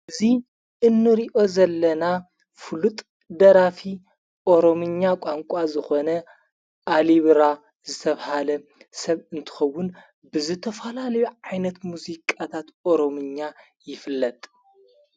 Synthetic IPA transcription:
ʔɨzi | ʔɨnːɨɾiʔo̞zɐlːɐna | fɨlut̪ʼ | d̪ɐɾafi | ʔo̞ɾo̞mɨɲːakʷʼaŋkʷʼazɨxo̞nɐ | ʔaliβɾa | zɨt̪ʰɐβhalɐsɐβɨnt̪ʰɨ̥xɐwːʊn | bɨzɨt̪ʰɐfɐlalɐjuʕajnɐt̪muzikʼat̪ʰat̪oɾomɨɲːa | jɪfɨlːɐt̪ʼ

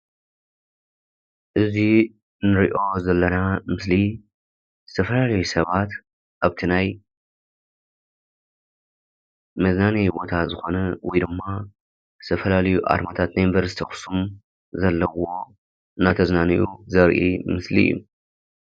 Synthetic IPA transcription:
ʔɨzi | nɨɾiʔo̞zɐlːɐnamɨsli | z̥ɨt̪ʰɐfɐlalɐjusɐβat̪ | ʔaβt̪ʰinaj | mɐznanibo̞t̪ʰazɨxo̞nɐwɔjd̪ɨmːa | zɨ̥t̪ʰɐfɐlalɐjuʔa̰ɾmat̪ʰat̪najɪnvɐɾsit̪ʰixʊ̥sum | zɐlːɐwo̞ | ɨnːat̪ʰɐznanijʔuzɐɾʔḭmɨslḭjːṵ

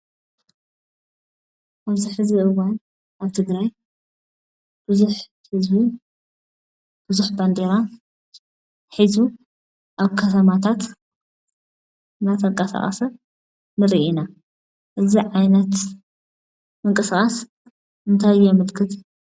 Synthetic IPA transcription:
wɐzuħɨziʔɨwan | ʔaβt̪ʰɨɡɾaj | b̥ɨzuħ | hɨzbi | b̥ɨzuħband̪eɾa | ħizu | ʔaβkʰɐt̪ʰɐmat̪ʰat̪ | nat̪ʰɐŋkʼɐsa̰χʼɐ̰sɐ | nɨɾiʔina | ʔɨziʕajnɐt̪ | mɨŋkʼɨsɨχʼɐs | ɨnt̪ʰajjamɨlkʰɨt̪

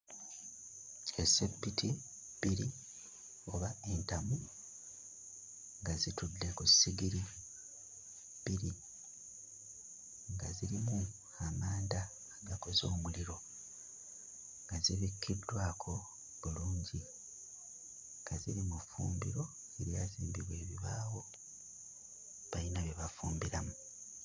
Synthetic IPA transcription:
esebːitʰi | b̥iɾi | o̞βae̞ntamu | ŋɡazitudːe̞kusːiɡiɾi | biɾi | ŋɡaziɾimu | amaːnda | ɡakozo̞ːmuliɾo̞ | ŋɡaziβikʰːidːwaːkʰo̞ | βuluːɲɟi | ŋɡaziɾimufṵːmbḭɾo̞ | eɾjaːziːmbiβwe̞ːβiβaːwo̞ | βainaβeβafuːmbiɾamu

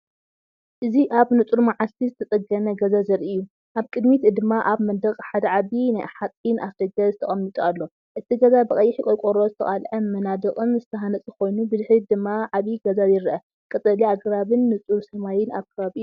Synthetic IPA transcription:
ʔɨziʔaβnɨt͡sʼuɾmaʕalt̪ʰizɨt̪ʰɐt̪ʼɐɡɐmɐɡɐzazɐɾiʔɨjːu | ʔaβkʼɨd̪mit̪d̪ɨmːaʔaβmɐd̪ɐkʼħad̪ɐʕaβinajʔaħat̪ʼnʔafd̪ɐɡɐzɨt̪ʰɐχʼɐmːit̪ʼualːo̞ | ʔɨt̪ʰiɡɐzabɨkʼɐjːɪħikʼojkʼoɾozɨt̪ʰɐχʼalʔɐmɐnad̪ɨkʼɨnzɨt̪ʰɐɦanɐt͡sʼɨko̞jnubɨzɨħɾid̪ɨmːaʕaβiɡɐzajɪɾʔɐ | kʼɨt̪ʼɐliaɡɾaβɨnːɨt͡sʼuɾsɐmajɪnaβkʰɐβaβiɨju

